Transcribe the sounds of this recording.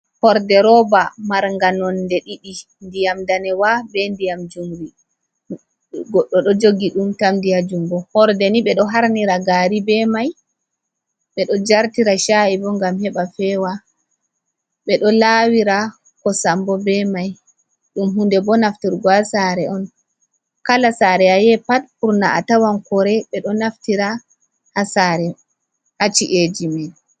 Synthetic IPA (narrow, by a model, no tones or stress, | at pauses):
hɔɾdɛɾɔbamaɾŋɡanɔndɛɗiɗi | ndijamdanɛwabɛndijamd͡ʒumɾi | ɡɔɗːɔɗɔd͡ʒoɡiɗumtamdijad͡ʒumbɔhɔɾdɛniɓɛɗɔɦaɾniɾaɡaːɾibɛmaj | ɓɛɗɔd͡ʒaɾtiɾaʃaibɔŋɡamhɛɓafɛwa | ɓɛɗɔlawiɾa | kɔsambɔbɛmaj | ɗumɦundɛbɔnaftiɾɡɔasaɾɛʔɔn | kalasaːɾɛajɛpat̚puɾnaatawankɔɾɛɓɛɗɔnaftiɾa | hasaːɾɛ | hat͡ʃiʔed͡ʒimɛn